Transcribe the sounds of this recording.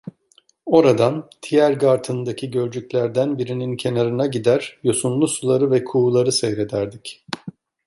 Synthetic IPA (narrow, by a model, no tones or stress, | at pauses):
o̞ɾad̪ant̪ʰijæɾɡaɾt̪ʰɯnd̪acʰiɟø̞ɾd͡ʒycʲlʲæɾd̪ænbiɾinincʰe̞naɾɯnaɟid̪æɾjo̞sunlˠusulˠaɾɯvɛkʰulˠaɾɯsɛjɾe̞d̪æɾd̪ic